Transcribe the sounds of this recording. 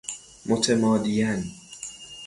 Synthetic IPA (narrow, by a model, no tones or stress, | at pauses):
mot̪ʰemɒːd̪ijæn